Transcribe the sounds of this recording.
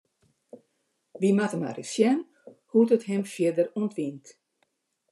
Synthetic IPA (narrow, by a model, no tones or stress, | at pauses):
ʋimatəma̰rḭsjɛn | hutəthɛmfjɪdəruntʋint